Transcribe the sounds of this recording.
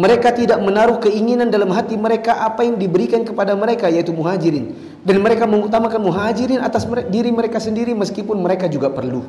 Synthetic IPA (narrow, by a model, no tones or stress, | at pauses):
məɾekat̪idaʔ̚mənaɾʊhkəiŋinandalamɦat̪iməɾekaʔapajaŋdibəɾikankəpadaməɾekajait̪umuɦad͡ʒiɾɪn | danməɾekaməŋut̪amakanmuɦad͡ʒiɾɪnat̪asmədiɾiməɾekasəndiɾiməskipʊnməɾekad͡ʒuɡapərlu